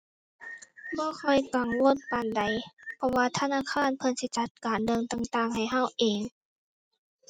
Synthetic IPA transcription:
bɔː˧˦kʰɔ˧˩jka˨ŋwu˧˥˨ən̚pa˨˩nda˨˦jpʰɔ˧waː˧t̪ʰa˧naː˧˥˨kʰaː˧˥˨npʰɤ˧nsi˧˩t͡ɕa˧˦t̪̚kaː˨ndɤ˧˨ŋt̪a˧ŋt̪aː˧˩˨ŋɦa˨˩jɦa˧˩wʔeː˨˩ŋ

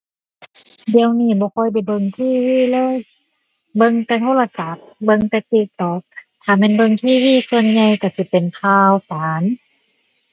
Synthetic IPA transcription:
di˧əwniː˧˩˨bɔː˧kʰɔː˧˥˨jp̬a˨˩jbɤ˧ŋt̪ʰiː˧˥˩wiː˧˥˨lɤː˧˥˨j | bɤ˧ŋt̪ɛː˧t̪ʰoː˧˥˨la˧sa˨˦p̚bɤ˧ŋt̪ɛː˧t̪i˧t̪ːɔː˨˩k̚t̪ʰaː˨˩mɛː˧˨nbɤ˧˨ŋt̪ʰiː˧˥˩wiː˥˩˨su˧ənɲa˧jka˧˩si˧˦pe˨nkʰaː˧wsaː˨˦n

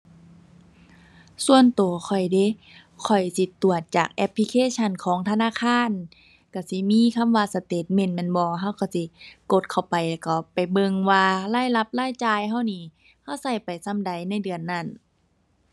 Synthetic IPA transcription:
su˧ənt̪u˨˩˨kʰɔ˨˩jde˧˦ | kʰɔ˨˩jsi˧˦t̪u˨˩ət̪̚t͡ɕa̰ː˨˩k̚ʔɛ˦˧pʰli˧kʰeː˧˨t͡ɕʰa˧˥˨nkʰɔː˨˦ŋt̪ʰa˧naː˧˥˨kʰaː˧˥˨n | ka˧˩si˧˦miː˧˥˨kʰa˧˥˨mwaː˧sa˧t̪eː˨˩t̪̚me˧˩˨nmɛ˧˥˨nbɔː˧ɦa˧˥˨wka˧˩wsi˧˦ko˧˦t̪̚kʰa˨˧˩wpa˨jlɛ˧˩ka˧˩pa˨jbɤ˧ŋwaː˧laː˧˥˨jla˧˦˥p̚laː˧˥˨jt͡ɕaː˧˨jɦa˧˥˩wniː˧˩˨ | ha˧˥˨wsa˧˩jpa˨˩jsa˧˥˨mda˨˩jna˧˥˩jdɯ˨˩ənːa˧˩˨n

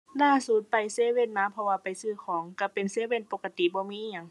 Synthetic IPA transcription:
laː˧˨su˧˩t̪̚pa˨jseː˧˦we˧˥˨nnaː˧˥˨pʰɔ˧waː˧˨pa˨jsɯː˧˩kʰɔː˨˦ŋka˧˩pe˨nseː˧˥˨we˧˥˨npoː˧˩ka˧t̪i˨bɔː˧˦miː˧˥ʔa˧˨ŋ

